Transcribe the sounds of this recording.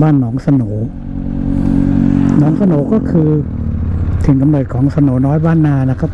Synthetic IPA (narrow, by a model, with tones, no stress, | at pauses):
baː˥˩nːɔː˩˦ŋsa˧noː˩˦ | nɔː˩˦ŋsa˧noː˩˦kɔː˥˩kʰɯː˧ | t̪ʰɯ˩˦ŋka˧mnɤː˨˩t̪̚kʰɔː˩˦ŋsa˧noː˩˦nɔː˦˥jbaː˥˩nːaː˧na˦˥kʰa˦˥˩